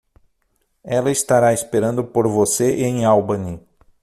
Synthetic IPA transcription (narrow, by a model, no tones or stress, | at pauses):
ɛlɐist̪aɾaispeɾɐ̃nd̪ʊpoɾvoseʔẽj̃awbɐni